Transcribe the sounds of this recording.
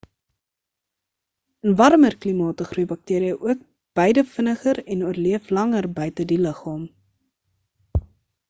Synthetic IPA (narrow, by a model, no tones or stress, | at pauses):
ənvɐrmərklimɑːtəχrujbɐk̚tiːəɾiəʔuək̚ | b̥əjdəfənəχəɾɛnuərliəflɐŋərbœɥtədiləχɑːm